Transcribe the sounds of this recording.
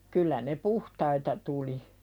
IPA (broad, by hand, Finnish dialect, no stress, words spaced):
kylːæ ne puhtɑitɑ tuli